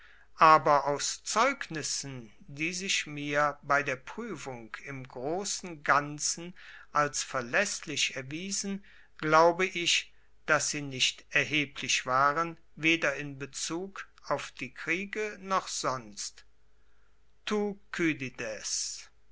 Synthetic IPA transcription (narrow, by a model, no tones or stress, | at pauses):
ʔaːbɐʔaʊst͡sɔʏknɪsn̩ | diːzɪʃmiːɐbaɪdeːɐpʁ̥yːfʊŋkʰɪmɡʁoːsn̩ɡant͡sn̩ʔalsfɛɐlɛslɪʃɛɐviːzn̩ | ɡ̥laʊbəʔɪʃ | d̥asz̥iːnɪʃtʔɛɐɦeːpʰlɪʃv̥aːʁən | veːdɐɪnbət͡suːk | aʊfd̥iːkʁ̥iːɡənɔχz̥ɔnst | tukʰydidɛs